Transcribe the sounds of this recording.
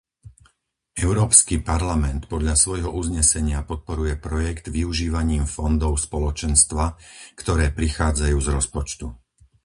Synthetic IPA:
ɛʊɾɔːpskipaɾlamɛnt̪pɔd̪ʎasʋɔjɦɔʔuzɲɛsɛɲɪapɔt̪̚pɔɾujɛpɾɔjɛɡd̪ʋiuʒiːʋaɲiːmfɔnd̪ɔʊspɔlɔt͡ʃɛnst̪ʋakt̪ɔɾɛːpɾixaːd͡zajuːzɾɔspɔt͡ʃt̪u

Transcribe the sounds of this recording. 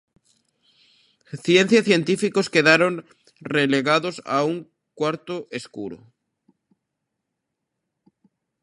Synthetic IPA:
θje̞n̟θjasθje̞nt̪ifikoske̞ðaɾo̞n | releɣaðosa̰uŋ | kwaɾt̪oʔeskṵɾo̰

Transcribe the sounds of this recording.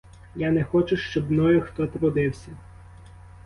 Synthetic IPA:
janɛxɔt͡ʃʊʃt͡ʃɔbmnɔjʊxt̪ɔt̪ɾʊd̪ɪwsʲɐ

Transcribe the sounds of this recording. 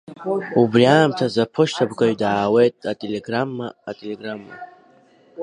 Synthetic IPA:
ubrjaːmtʰazapʰoʃtʰabɡʷaɥdaːwejtʼatʼeleɡramːaːtʼeleɡramːa̰

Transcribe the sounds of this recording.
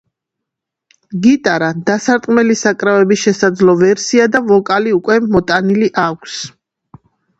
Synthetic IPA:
ɡit̪ʼaɾad̪asaɾt̪ʼqʼmɛlisakʼɾavɛbiʃɛsad̪zlɔvɛɾsiad̪avɔkʼaliukʼwɛmɔt̪ʼaniliʔakʷʰs

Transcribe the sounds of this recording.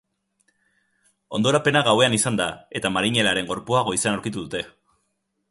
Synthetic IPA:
o̞̰nd̪o̞ɾape̞naɣawe̞anisand̪ae̞t̪amaɾiɲe̞laɾe̞ŋɡo̞ɾpuaɣ̞o̞isanawɾkit̪uðut̪e̞

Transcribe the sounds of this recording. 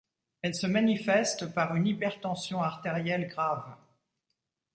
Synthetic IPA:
ɛlsəmanifɛst̪paʁynipɛʁt̪ɑ̃sjɔ̃aʁt̪eʁjɛlɡʁav

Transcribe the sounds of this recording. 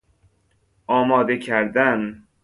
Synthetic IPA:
ʔɒːmɒːd̪ecʰæɾd̪æn

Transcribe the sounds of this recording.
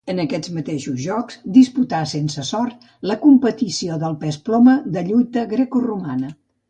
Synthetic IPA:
ənəkɛd͡zmət̪eʃuzʒɔkzd̪isput̪asensəsɔrt̪̚ | ləkumpət̪isioðəlˠpɛsplɔməðəʎujt̪əɣɾekurumanə

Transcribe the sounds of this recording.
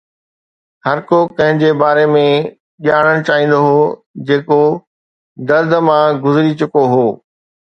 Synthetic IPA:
hɐɾkoːkɐ̃ɦɪ̃d͡ʑeːbaːɾemẽ | ɓiaːɽ̃əɽ̃t͡ɕaːɦĩːn̆d̪oɦoː | d͡ʑeːko | d̪ɐɾd̪ʱəmãɡʊzɪɾit͡ɕʊkoɦoː

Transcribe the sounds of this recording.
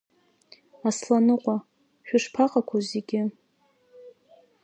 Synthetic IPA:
aslanɨqʷʼa | ʃᶣʊʂpʰaqʼakʷʰazeɡʲɪ

